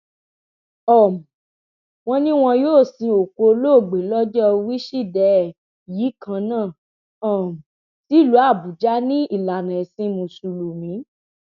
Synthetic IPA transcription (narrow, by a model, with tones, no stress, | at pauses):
ɔ˦˨m˨ | w̃ɔ̃˧nĩ˦w̃ɔ̃˧joː˦˨sĩ˧o˨ko˧loː˦˨ɡ͡be˨lɔ˦d͡ʒɔ˦ɔ˧wi˦ʃi˦˨dɛ˨˦˨ | ji˨˦kã˧nãː˦˨ | ɔ˨m˨ | ti˨˦˨lu˨˦a˦˨bu˨d͡ʒa˦nĩ˦i˦˨la˨nã˨ɛ˨sĩ˧mũ˧˨su˧lu˨mĩ˨˦